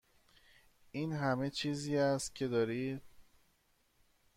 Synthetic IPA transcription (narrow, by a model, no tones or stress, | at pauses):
iːnɦæme̞t͡ʃʰiːziːæst̪̚cʰe̞d̪ɒːɾiːd̪̥̚